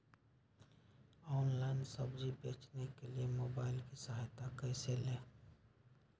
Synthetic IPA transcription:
ɔːnlaɪnsəbd͡ʒibeːt͡ʃnekeliemoːbaːɪlkisəɦajt̪akəɪseleː

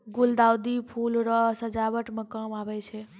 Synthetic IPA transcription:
ɡuld̪awd̪ipʰulɾəsəd͡ʒabəʈmekəmabɛt͡ʃʰɛ

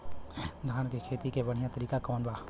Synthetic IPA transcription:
d̪ʱaːnkekʰeːt̪ikebɐɽ̤ijãt̪əɾiːkakoːnbaː

